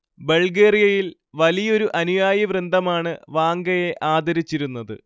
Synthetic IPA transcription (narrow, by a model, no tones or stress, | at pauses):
bɐɭɡeːrijɐjil | ʋɐlijɐo̞ɾuʔɐnujaːjɐʋrɨnd̪ʱɐmaːɳɨʋaːŋɡɐje̞ʔaːd̪ɐɾit͡ɕːiɾunːɐðɨ̰